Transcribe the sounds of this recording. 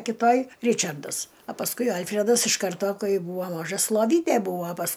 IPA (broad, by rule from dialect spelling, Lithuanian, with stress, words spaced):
kʲɪˈtoːj ˈrʲɪt͡ʃɐrdɐs ɐ pɐsˈkʊɪ ˈɐlʲfʲrʲɛdɐs ɪʃ ˈkɐrtoː ˈkɐɪ ˈbuːʋoː ˈmɑːʒɐs lˠoːˈʋʲiːtʲeː ˈbuːʋoː pɐs